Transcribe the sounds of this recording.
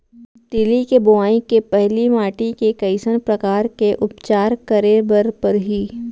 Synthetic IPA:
t̪ɪlikebʊaːĩkepɛɦlimaːʈikekɐɪsənpɾɐkaːɾkeʔʊpt͡ʃaːɾkɐɾebəɾpɐɾɦiː

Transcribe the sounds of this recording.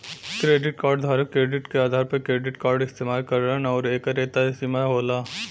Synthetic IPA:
kɾeːɖɪʈkaːɾɖd̪ʱaːɾəkːɾeːɖɪʈkeaːd̪ʱaːɾpɐkɾeːɖɪʈkaːɾɖɪst̪eːmaːlkɐɾɾənɔːɾeːkaɾeːt̪aesimaɦoːlaː

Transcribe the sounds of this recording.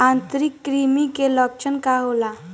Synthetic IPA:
ant̪ɾikːɾimikelɔk̚t͡ʃʰənkaɦola

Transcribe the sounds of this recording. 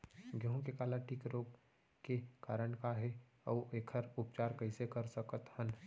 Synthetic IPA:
ɡʱəɦõkekaːlaʈʰiːkɾoːɡ | kekaːɾəɳkaɦɛ | ɔːʔeːkʰəɾʊpt͡ʃaːɾkəɪsekəɾsəkət̪hən

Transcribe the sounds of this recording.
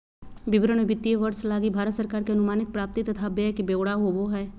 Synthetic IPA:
bɪbɾəɳebɪt̪ːieʋəɾslaːɡibʱaːɾət̪səɾkaːɾkeɐnʊmaːnɪt̪̚pɾaːp̚t̪it̪ɐt̪ʰabekibeːwɽaɦoʋoɦɛː

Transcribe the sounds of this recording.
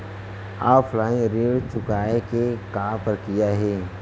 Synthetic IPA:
aːpʰlaːĩɾeːɽt͡ʃʊkaːekekaːpəɾkijaɦɛː

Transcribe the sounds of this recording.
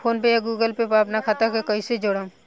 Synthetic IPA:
pʰoːnpejaɡuːɡəlpepaːpnakʰat̪akekəised͡ʒoːɽã

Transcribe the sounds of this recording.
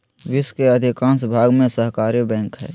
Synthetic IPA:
ʋɪskeɐd̪ʱɪkãːnsbʱaːɡmẽsəɦkaːɾibɛ̃ːŋkɦɛ̰ː

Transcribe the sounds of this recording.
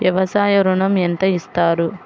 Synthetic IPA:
ʋjɐʋɐsaːjɐɾuɳɐment̪ɐist̪aːɾu

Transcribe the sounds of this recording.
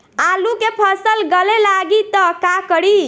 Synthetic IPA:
alukepʰəsəlɡəlelaɡit̪ɔkakəɽi

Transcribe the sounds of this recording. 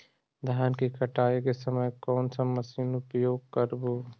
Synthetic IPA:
d̪ʱankikəʈaːekesəməjkɔːnsəməsiːnupjoːɡ̚kəɾbu

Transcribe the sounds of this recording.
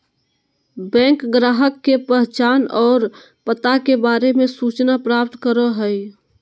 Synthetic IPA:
bɛ̃ːŋkɡɾaːɦəkːepəɦt͡ʃaːnɔːɾ | pət̪akebaːɾemẽsuːt͡ʃnapɾaːp̚t̪kəɾoɦəi

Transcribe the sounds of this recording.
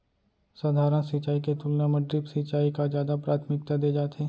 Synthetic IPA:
sad̪ʱaːɾə̃nsɪt͡ʃaːiket̪ulnamɐɖ̪ɾɪpsɪt͡ʃaːikazjaːd̪apɾaːt̪ʰmɪk̚t̪ad̪eːd͡ʒaːt̪eː

